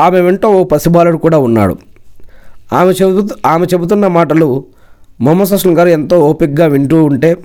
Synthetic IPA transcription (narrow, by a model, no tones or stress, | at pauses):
aːmeʋeɳʈo̞ːoːpɐsibaːlɐɽukuːɽaːunːa̰ːɽṵ | aːmeaːmet͡ʃe̞but̪unːɐmaːʈɐlu | mɐmːɐs̬ɐsʂɐnɡaːɾuent̪o̞ːoːpik̚ɡaːʋiɳʈuːuɳʈe̞ː